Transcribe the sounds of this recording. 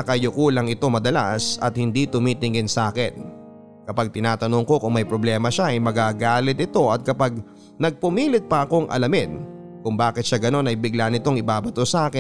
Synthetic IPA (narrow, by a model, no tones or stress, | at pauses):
ɐkɐjʊkulɐŋɪt̪o̞mɐd̪ɐla̰sɐt̪̚hɪnd̪it̪ʊmiːt̪ɪŋɡɪnsɐʔaːkɪn | kɐpaɡ̚t̪ɪnaːt̪ɐno̞ŋko̞kʊŋmɐjpɾoblɛːmɐʃaɐjmɐɡaɡaːlɪt̪̚ɪt̪o̞ɐt̪̚kɐpaɡ̚ | nɐɡ̚pʊmiːlɪt̪̚pɐʔɐko̞ŋʔɐ̰lɐmɪd̪kʊŋbaːkɪt̪̚ʃaɡɐno̞nɐjbɪɡlanɪt̪o̞ŋɪbaːbɐt̪osɐʔaːkɪn